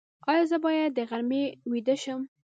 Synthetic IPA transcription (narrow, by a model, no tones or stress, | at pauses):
ɑjɑzəbɑjad̪ːəɣaɾmewid̪əʃəm